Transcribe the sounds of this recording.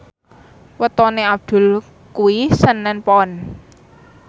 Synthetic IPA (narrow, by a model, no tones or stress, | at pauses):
wət̪ɔneab̚d̪̥ʊ̤l | kuwisənːɛnpɔn